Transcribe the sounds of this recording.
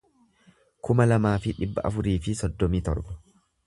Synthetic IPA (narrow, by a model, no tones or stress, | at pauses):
kʊmɐlɐmaːfɪᶑɪbːɐ̰ʔɐ̰fʊɾiːfɪsɔd̪ːɔmiːt̪ɔ̰ɾbɐ̥